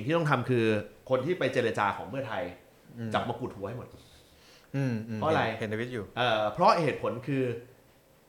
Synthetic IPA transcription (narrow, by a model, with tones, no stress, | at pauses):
sŋʰiː˥˩ɔ˥ŋt̪ʰa˧mkʰɯː˧kʰo˧nt̪ʰiː˥˩pa˧jt͡ɕeː˧ɾa˧t͡ɕaː˧kʰɔː˩˦ŋpʰɯ˥˩ɐət̪ʰa˧j | t͡ɕa˨˩p̚maː˧ku˨˩t̪̚hu˧ɐha˥˩jmo˨˩t̪̚ | ɯː˧˩mʰ˧ɔ˦˥˧ɾa˧je˨˩nt̪ʰa˧wi˦˥t̪̚juː˨˩ʔaː˨˩pʰɾɔ˦˥heː˨˩t̪̚pʰo˩˦nkʰɯː˧